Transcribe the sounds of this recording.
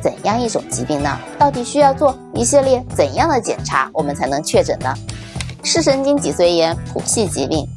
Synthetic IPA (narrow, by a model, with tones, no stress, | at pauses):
t͡sə̰˨˩njɑ˥˧ŋi˥˩ʈ͡ʂʊ̰˨˩ŋt͡ɕi˧˥pi˥˩ŋnə̰˩t̪ɑ˥˩ʊt̪̬i˨˩ɕy˥jɑ˥˧ʊt͡swɔ˥˩ | i˥ɕi˥˧ljɛ˥˩t͡sə˨˩njɑ˥˩ŋd̪ə˩t͡ɕjɛ̰˨˩nʈ͡ʂʰa˧˥wɔ˨˩mə˦nt͡sʰa˧˥ɪnɤ˧˥ŋt͡ɕʰɥɛ˥˩ʈ͡ʂə̰˨˩nnə̰˦ʂɻ̩˥˩ʂə˥ŋt͡ɕi˥ŋt͡ɕi˨˩swe˥˩ɪjɛ˧˥npʰṵ˨˩ɕi˥˩t͡ɕi˧˥pi˥˩ŋ